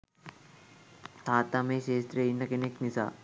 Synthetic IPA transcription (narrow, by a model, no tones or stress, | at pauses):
t̪ʰaːt̪ameɕeːst̪ɾeinːɐkeneknisa̰